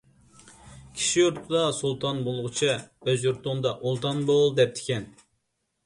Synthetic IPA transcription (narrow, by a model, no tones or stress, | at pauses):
kʲʰi̥ʃijoɾt̪ʰʊd̪ɑsulˠt̪ʰɑnbolˠʁʊt͡ʃʰiøzjoɾt̪ʊnd̪ɑʔolˠt̪ʰɑnbolˠd̪ɛp̚t̪ʰɪ̥kʲɛn